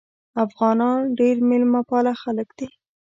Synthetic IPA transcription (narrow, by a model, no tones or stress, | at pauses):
afɣɑnɑnɖeɾmɪlmapɑlaxaləkd̪̥i